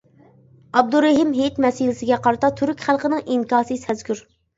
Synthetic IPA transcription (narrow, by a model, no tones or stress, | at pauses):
ɑb̚d̪uɾɪɦɪmɦet̪mɛsilɪsɪɡʲɛqʰɑɾɨt̪ʰɑt̪ʰyɾykʲχælˠqənɨŋiŋkɑːsɨsɛzkʲyɾ